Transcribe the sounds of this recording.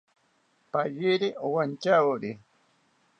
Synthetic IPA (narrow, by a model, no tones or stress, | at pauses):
paʎɪɾiʔowant͡ʃawɾi